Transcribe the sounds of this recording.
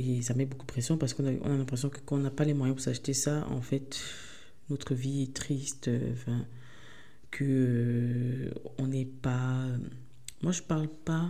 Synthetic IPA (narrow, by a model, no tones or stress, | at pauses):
esamɛbokud̪əpχesjɔ̃paʁsə̥kɔ̃naʔɔ̰̃nalɛ̃pχes̬jɔ̃kə̥kɑ̃ɔ̃napalemwajɛ̃puʁsaʃt̪esaɑ̰̃fɛt̪ | not̪χəviɛt̪χist̪øɑ̰̃fɛ̃ | kʰəø | ɔ̃nɛpaø | mwaʒəpaʁlpa